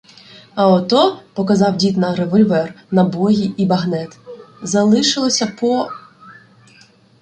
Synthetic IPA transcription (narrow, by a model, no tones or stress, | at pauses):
ɐɔt̪ɔpɔkɐzɑwdʲit̪nɐɾeʋɔlʲʋɛr | nɐbɔɦʲiʔibɐɦnɛt̪zɐlˠɪʃɪlˠɔsʲɐpɔ